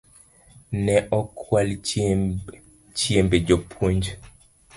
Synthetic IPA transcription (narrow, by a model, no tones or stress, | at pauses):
nɛʔɔkʰwal | t͡ʃiembed͡ʒopʰwoɲd͡ʒ